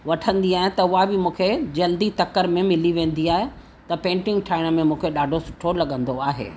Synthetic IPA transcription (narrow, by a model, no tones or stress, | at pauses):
ʋɐʈʰə̃nd̪iaːɦẽt̪ɐʊɦabɪmũːkʰed͡ʑɐld̪it̪ɐkəɾmẽmɪliʋẽːn̆d̪iaːɦe | t̪ɐpẽːɳʈɪ̃ŋɡʈʰaːɪɽ̃ə̆mẽmũːkʰeɗaːɖʱosʊ̥ʈʰolɐɠə̃nd̪oaːɦḛː